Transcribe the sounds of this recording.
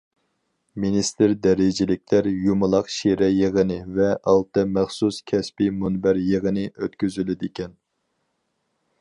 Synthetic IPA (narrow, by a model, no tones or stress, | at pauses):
minist̪ɪɾd̪ɛɾɪd͡ʒɪlɪkʲlæɾjumɨlˠɑqʃiɾɛjəʁənɨvɛʔɑlˠt̪ɨmæχsuskʲʰɛspimunbæɾjəʁənɨʔøt̪kʲyzylɪd̪ɪkʲɛn